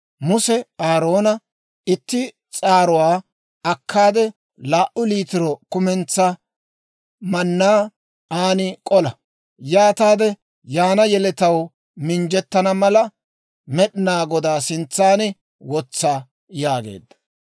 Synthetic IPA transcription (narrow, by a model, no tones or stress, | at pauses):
mʊsɛaːɾo̞ːnɐ | ɪt̪ːɪ | t͡sʼaːɾʊwaː | ɐkːaːd̪ɛ | laːʔʊliːt̪ɪɾɔkʊmɛnt͡sːɐ | mɐnːaː | aːnɪkʼɔlɐ | jaːt̪aːd̪ɛ | jaːnɐjɛlɛt̪ɐw | mɪnd͡ʒɛt̪ːɐnɐmɐlɐ | mɛɗɪnaːɡɔd̪aːsɪnt͡sːaːnɪ | wɔt͡sːaː | jaːɡḛːd̪ːɐ̥